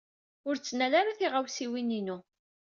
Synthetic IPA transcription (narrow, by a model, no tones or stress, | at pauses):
ʊɾt͡sːnælaɾaθiʁawsiwininu